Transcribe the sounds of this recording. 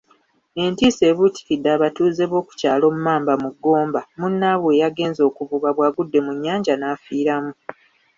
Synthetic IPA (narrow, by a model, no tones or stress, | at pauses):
e̞ntiːse̞ːβuti̥kidːaːβatuːze̞βwo̞ːku̥caːlo̞mumaːmbamuɡːo̞ːmbamunːaβwejaɡe̞ːnzo̞ːkuvuɡaβwaːɡudːe̞muɲːaːɲɟanaːfiːɾamu